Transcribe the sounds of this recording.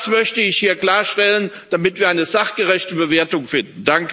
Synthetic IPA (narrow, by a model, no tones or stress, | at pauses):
smœçtəɪçhiːɐkl̥aːɐʃtɛlən | d̥amɪtv̥iːɐʔaɪnəzaχɡ̥əʁɛçtəbəveːɐtʊŋfɪndn̩daŋkə